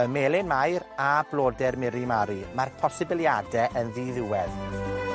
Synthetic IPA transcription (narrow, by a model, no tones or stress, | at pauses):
əmeːlɪnmajrablˠoːdɛrmɪɾimaɾimarpʰɔsɪbɪlˠjadɛʔənðiːðɪwɛð